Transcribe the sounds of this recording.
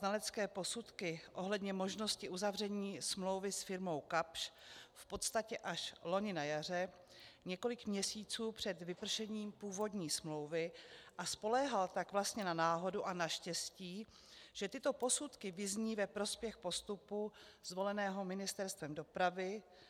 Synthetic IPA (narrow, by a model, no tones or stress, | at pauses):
nalɛt͡skɛːpo̞sut̪kɪʔo̞ɦlɛdɲɛmo̞ʒno̞scɪʔuzavr̝ɛɲiːsmlo̞wvɪsfɪɾmo̞wkapʃfpo̞t̪st̪acɛʔaʃlo̞ɲɪnajar̝ɛ | ɲɛko̞lɪkmɲɛsiːt͡suːpr̥ɛd̪vɪpr̩ʃɛɲiːmpuːvo̞dɲiːsmlo̞wvɪʔaspo̞lɛːɦalt̪aɡvlast̪ɲɛnanaːɦo̞duʔanaʃcɛsciː | ʒ̥ɛt̪ɪt̪o̞po̞sut̪kɪvɪzɲiːvɛpɾo̞spjɛxpo̞st̪upu | z̥vo̞lɛnɛːɦo̞mɪnɪst̪ɛɾst̪vɛmdo̞pɾavɪ